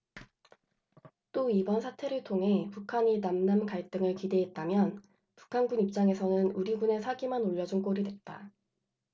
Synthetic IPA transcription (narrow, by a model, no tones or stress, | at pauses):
t͈oibʌnsʰatʰe̞ɾɯɭtʰoŋɦe̞pukʰaɲinamnankaɭt͈ɯŋɯɭkide̞ɦet̚t͈amjʌn | pu̥kʰanɡunip̚t͡ɕ͈aŋe̞sʰʌnɯnuɾiɡune̞sʰaɡimanoʎːʌd͡ʑunk͈oɾidwe̞t̚t͈a